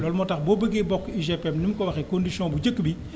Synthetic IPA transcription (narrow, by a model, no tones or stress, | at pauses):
lɔlmɔtɐxbɔbəɡebɔkːiʒepɛmnimkɔwɐxɛkõndisjɔ̃buɟəkːbi